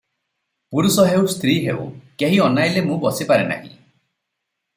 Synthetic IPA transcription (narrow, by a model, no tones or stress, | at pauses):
puɾusɔɦewst̪ʰɾiɦḛṵkeɦiɔnajlemũbɔsipaɾena̰ɦḭ̃